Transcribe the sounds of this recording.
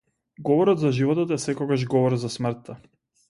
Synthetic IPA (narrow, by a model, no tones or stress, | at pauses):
ɡɔvɔɾɔt̪zaʒivɔt̪ɔt̪ɛsɛkɔɡaʒɡɔvɔɾzasmr̩t̪ːa